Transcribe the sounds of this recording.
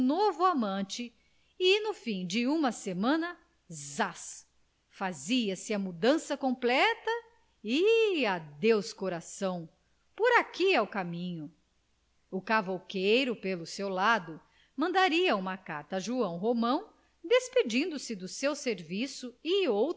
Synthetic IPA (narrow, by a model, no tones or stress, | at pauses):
novʊamɐ̃t͡ʃɪ | ɪnʊfĩj̃d͡ʒɪũmɐsemɐ̃nɐ | zas | faziɐsɪɐmud̪ɐ̃sɐkõmplɛt̪ɐ | ɪad̪ewskoɾasɐ̃w̃ | poɾakiawkamĩɲʊ | ʊkavowkejɾʊpelʊsewlad̪ʊ | mɐ̃nd̪aɾiɐũmɐka̰ɾt̪ɐʒuɐ̃w̃ɦomɐ̃w̃ | d̪esped͡ʒĩnd̪ʊsɪd̪ʊsewseɾvisʊɪow